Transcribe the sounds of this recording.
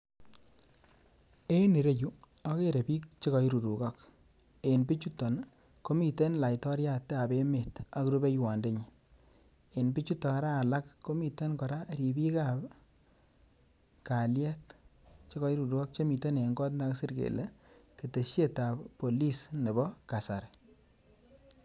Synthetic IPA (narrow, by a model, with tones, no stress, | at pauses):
e˦ne˨ɾe˦ju˦a˦ke˦ɾe˨pi˦k̚t͡ʃe˦kɔ˨ji˦ɾu˨du˨kɔ˦k | e˨npi˦t͡ʃu˦tɔ˨n | ko˦mi˨te˦nla˨jtɔ˦ɾja˦tːe˦a˨be˦me˨ta˨kɾu˦be˦jwa˨nde˦ɲi | enpi˦t͡ʃu˦tɔ˨˦ɾaː˦˨la˦kːo˦mi˨te˦nkɔ˨ɾa˦ɾi˨bi˦ka˨p | ka˨ljɛ˦tt͡ʃe˦kɔ˨˦i˦ɾu˨du˨ɡɔ˦k̚t͡ʃe˦mi˨te˦ne˨ŋɡɔ˦tna˦ksi˦ɾkḛ˨le˦ke˨te˨ʃje˦ta˨ppːo˨li˦sne˨bɔ˦ka˨sa˨ɾ